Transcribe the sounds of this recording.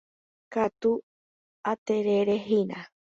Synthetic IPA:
kat̪u | at̪eɾeɾeɦina

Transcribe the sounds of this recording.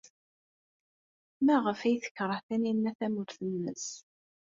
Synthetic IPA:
mæʁəfæjθə̥çɾˤəhθæninːæθæmuɾθənːəs

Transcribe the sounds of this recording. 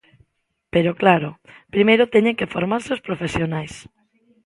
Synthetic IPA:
peɾoklaɾʊpɾimejɾʊt̪ɛɲẽŋkefoɾmaɾseospɾofesjonajs

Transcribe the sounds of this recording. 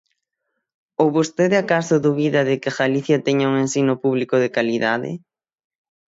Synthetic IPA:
owβost̪eðɪakasʊðuβiðɐðɪkɪxaliθjat̪ɛɲauŋensinʊpuβlikoðɪkaliðaðɪ̰

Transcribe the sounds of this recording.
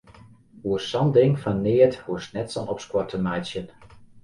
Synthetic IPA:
uəsɔndɪŋfanːɪːəthusnɛtsɔnɔpskwɔtʰəmajsjən

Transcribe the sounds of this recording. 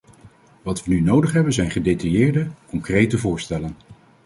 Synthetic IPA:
ʋɑtʋənynowdəχɦɛbənzɛjnχədejtɑjɪːɹdəkɔŋkrejtəvʊːɹstɛlən

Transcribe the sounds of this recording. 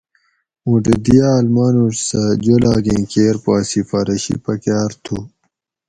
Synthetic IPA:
ũʈed̪ijaːlmaːnuʈsɐd͡ʑolaːɡẽkeːɾpaːsifɐɾɐɕḭpɐkjaːɾt̪ʰu

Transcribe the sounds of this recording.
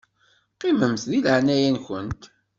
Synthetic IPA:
qiməmθðilʕnæjænçə̰nt̪

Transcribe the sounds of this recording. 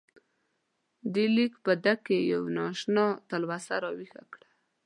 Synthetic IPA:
d̪elikpəd̪akːejawnɑʃnɑt̪alwasaɾɑwixa̰kɽa

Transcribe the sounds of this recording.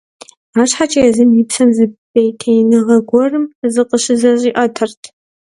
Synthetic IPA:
aːɕħat͡ʃʼɐjɛzɨmjipsɐmzɨbejtʰejnɨʁɐɡʷɔrɨmzɨqʼəɕɨzɐʑʼiːʔʼɐtʰɐrtʰ

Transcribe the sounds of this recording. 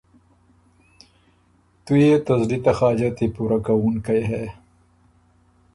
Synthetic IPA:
t̪ujet̪ɐzlit̪axɑːd͡ʒat̪ipuɾakawuŋkajɦɛ

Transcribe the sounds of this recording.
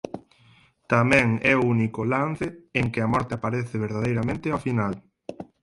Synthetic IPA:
t̪amɛ̃ŋɛounikolan̟θeeŋkɪamɔɾt̪eapaɾeθɪβeɾðaðejɾamẽnt̪ɪafinal

